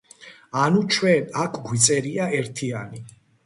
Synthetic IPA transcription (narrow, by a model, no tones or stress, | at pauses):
anut͡ʃʰwɛnakʰɡwit̪sʼɛɾiaɛɾt̪ʰiani